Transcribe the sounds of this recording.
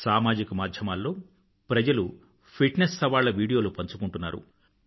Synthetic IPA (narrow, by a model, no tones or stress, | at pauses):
saːmaːd͡ʒikɐmaːd̪ʱjɐmaːlːo̞ː | pɾɐd͡ʒɐlu | pʰiʈnesːɐʋaːɭːɐʋiːɽijo̞ːlupɐɲt͡ʃukuɳʈunːa̰ːɾṵ